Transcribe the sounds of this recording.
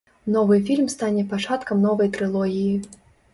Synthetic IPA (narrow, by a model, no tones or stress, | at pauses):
nɔvɨfʲilʲmst̪anʲɛpat͡ʂat̪kɐmnɔvɐjt̪ɾɨlˠɔɣʲiji